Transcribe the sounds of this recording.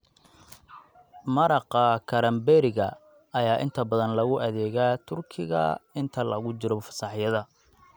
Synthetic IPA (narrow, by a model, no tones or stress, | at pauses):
mɐɾɑqɐkʰɐɾɐmbɛɾɪɣɐ | ɐjaːʔɪnt̪ʰɐbɐðɐnlɐɣʊʔɐðɛːɣaːt̪ʰʊrkʰɪɣɐ̰ɪnt̪ʰɐlɐ̰ɣʊt͡ʃɪɾɔfɐ̥sɑħjɐðɐ